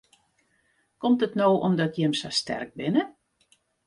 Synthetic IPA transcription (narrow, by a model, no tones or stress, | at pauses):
kɔmtətnoːʔɔmdɔtjɛmsa̰stɛ̰rk̚bɪnə